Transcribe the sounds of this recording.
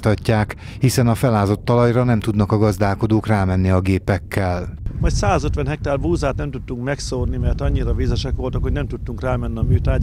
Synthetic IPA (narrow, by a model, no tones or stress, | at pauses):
t̪ɒcːaːk | hisɛnɒfɛlaːzo̞t̪ːɒlɒjrɒnɛmt̪ud̪nɒkɒɡɒzd̪aːlko̞d̪oːkraːmɛnːiɒɡeːpɛkːɛlmɒjt̪saːzøt̪ʋɛnɦɛk̚t̪aːrbuːzaːt̪nɛmt̪ut̪ːuŋkmɛksornimɛrt̪ɒɲːiɾɒvizɛʃɛkʋo̞lt̪ɒkho̞ɟnɛmt̪ut̪ːuŋkraːmɛnːiɒmyːt̪aː